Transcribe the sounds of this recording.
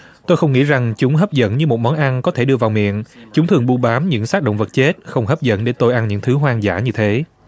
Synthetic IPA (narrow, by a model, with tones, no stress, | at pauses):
t̪o˧jxə˧wŋ͡mŋḭ˧˥za˨˩ŋt͡ɕʊ˨˦ŋ͡mɦəː˦˥p̚zə̰˧˥nɲɨ˧mo˨˩t̚mɔ˨˦nʔa˧nkɔ˨˦t̪ʰe˧˩ɗɨ˧əvaː˨˩wmḭ˧˨ənt͡ɕʊ˨˦ŋ͡mt̪ʰɨ˨˩əŋɓu˧ɓaː˨˦mɲɨ̰˧˥ŋsaː˦˥k̚ɗo̰˧˨wŋ͡mvə˨˩t̚t͡ɕe˦˥t̚xə˧wŋ͡mɦə˦˥p̚zə̰˧˥nɗe˨˦t̪o˧jʔa˧nɲɨ̰˧˥ŋt̪ʰɨ˨˦ɦwaː˧ŋza̰ː˧˩ɲɨ˧t̪ʰe˨˦